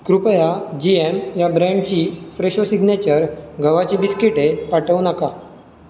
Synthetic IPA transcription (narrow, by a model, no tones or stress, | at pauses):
kɾupəjad͡ʑiemjabɾɛ̃ɳɖt͡ɕiːfɾeɕosiɡnet͡ɕəɾɡʱəʋat͡ɕiːbiskiʈepaʈʰəʋnəka